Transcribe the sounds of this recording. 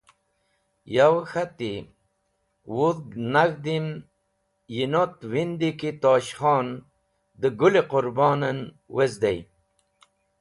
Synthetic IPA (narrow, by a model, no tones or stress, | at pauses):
jawxat̪i | wuðnaɣd̪im | jinot̪wind̪ikit̪ɑːɕxɑːn | d̪əɡuleqʊɾbɑːnən | wezd̪ej